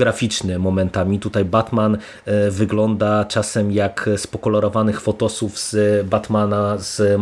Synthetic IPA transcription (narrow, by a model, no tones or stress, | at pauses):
ɡɾafʲit͡ʂnɘmɔmɛnt̪amʲit̪ut̪ajbat̪man | vɘɡlɔnd̪at͡ʂasɛmjakspɔkɔlɔɾɔvanɘxfɔt̪ɔsuvz̥bat̪manaz̥